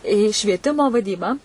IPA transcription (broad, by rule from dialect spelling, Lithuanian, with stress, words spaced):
iː ʃʲʋʲiɛˈtʲɪmoː ʋɐˈdʲiːbɑː